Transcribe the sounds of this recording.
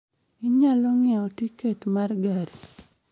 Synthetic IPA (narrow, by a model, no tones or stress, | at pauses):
ɪɲalɔŋɪaotiketmarɡaɾi